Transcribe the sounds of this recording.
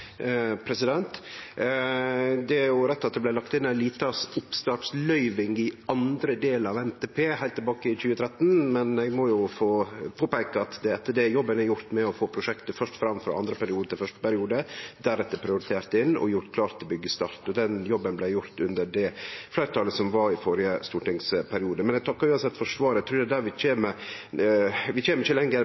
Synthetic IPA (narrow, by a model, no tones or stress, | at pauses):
pʰɾɛsɪd̪ɛnt̪ | d̪ɛæɾjʊɾɛt̪ːɑt̪̚d̪ɛblæɪlɑkt̪ɪnːæɪliːt̪ɑsʊpst̪ɑːʈslœʏʋɪŋɪɑnd̪ɾəd̪eːləɾɑʋɛnt̪ʰeːpʰeːhæɪlt̪ʰːɛlbɑːkəɪçʉːət̪ʰɾɛt̪ːn̩mɛnɛɡmɔjʊfoːpʰoːpæɪkəɑt̪d̪ɛɛt̪ːəɖɛjɔbːənæɾjʊɾt̪mɛɔfoːpʰɾʊʂɛkt̪əfœʂʈfɾɑmfɾɑ̰ʔɑnd̪ɾəpʰæɾɪuːd̪ət̪ɪlfœʂʈə̥pæɾɪuːd̪əd̪æɾɛt̪ːəɾpʰɾɪʊɾɪt̪ʰeːɾt̪ɪnːɔ̰jʊɾt̪kʰlɑːɾt̪ːɪlbʏɡːəst̪ɑɾt̪ɔd̪ɛnjɔbːənblæɪjʊɾt̪ʉnd̪əɖɛflæɪɾət̪ɑːləsɔmʋɑɾɪfɔɾɪəst̪uːʈɪŋspʰæɾɪuːd̪əmɛnɛɡt̪ʰɑkːəʉːɑnsɛt̪ːfɔʂʋɑːɾət̪ʰɾʉːd̪ɛd̪æɾʋɪt͡ʃeːmə | ʋɪt͡ʃeːməɾɪçəlɛŋːə